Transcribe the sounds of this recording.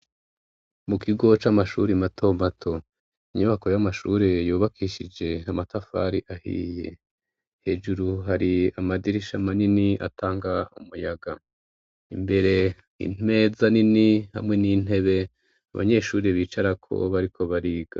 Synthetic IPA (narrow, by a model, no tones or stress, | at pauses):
mukʰiɡo̞t͡ʃamaʃuɾimatʰomatʰo̞ | iɲuβako̞jamaʃuːɾejuːβakʰiːʃid͡ʒe̞amatafa̰ɾiʔahḭje̞̰ | he̞ːʒuɾuɦaɾiamadiɾiʃamaniniʔa̰taːŋɡaṵmujaɡa | imbe̞ɾe̞ | ḭne̞zaniniha̰mŋe̞nin̥e̞βe̞ | a̰βa̰ɲe̞ːʃuːɾiβiːt͡ʃaɾakʰo̞̰βaɾikʰo̞βaɾiːɡ̥a̰